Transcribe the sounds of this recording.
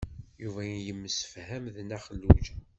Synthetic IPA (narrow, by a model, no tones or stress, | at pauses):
juvæjjəmːəsə̥fhæmðnæχəlːud͡ʒæ